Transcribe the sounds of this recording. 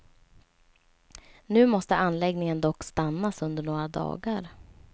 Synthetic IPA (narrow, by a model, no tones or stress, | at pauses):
nʉ̟ːmɔst̪əʔanlɛɡnɪŋənd̪ɔkːst̪anːasɵnd̪əɳoːɾad̪ɑ̰ːɡaɾ